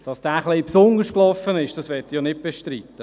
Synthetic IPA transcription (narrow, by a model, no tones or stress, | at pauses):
d̥ɑsd̥æːχlipsʊŋəʃklɔfːənɪʃd̥ɑsʋɛtːijɔnɪt̚b̥eʃtɾiːt̪ːə